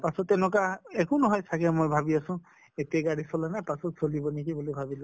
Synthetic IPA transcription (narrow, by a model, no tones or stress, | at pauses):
pasɔtɛnɔkaekʊnɔɦɔjsakɛmojbʱabiasʊ̃ | etiaɡaɹisɔlanajpasɔtsolibɔnikibulobʱabilɔ